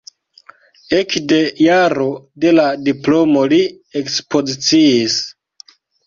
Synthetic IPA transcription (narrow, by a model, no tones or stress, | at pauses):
ekde̞jaɾo̞de̞ladiplo̞mo̞li | ekspo̞zit͡siːs